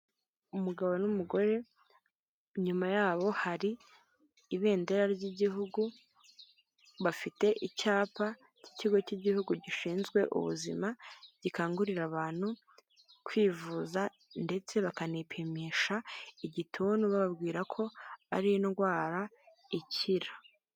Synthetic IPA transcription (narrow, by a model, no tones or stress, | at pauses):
umuɡaβonumuɡo̞ɾe̞ | ɲumajaːβo̞haɾiː | βe̞ːnde̞ɾaɾɟiɟiɦuɡu | βafite̞ʔicaːpa | ci̥ciɡo̞ciɟihuɡuɟiʃiːnzɡwe̞ʔṵβṵzimaɟ̥ikaːŋɡuɾiɾaβaːn̥hu | kwiːvuːza | nde̞t͡se̞βakanipʰimiːʃaiɟitʰuːnuβaβabɡiːɾakʰo̞aɾinɡwaːɾa | iciɾḁ